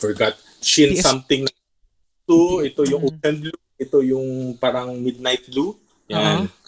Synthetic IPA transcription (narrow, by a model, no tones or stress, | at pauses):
fɛɹɡat̪̚ | t͡ʃɪnssɐmt̪ɪŋnɐ | t̪oʔɛt̪o̞jʊŋʔopɛnd̪̚luʔɛt̪o̞jʊŋpaːɾɐŋmɪd̪̚najt̪̚lu | jan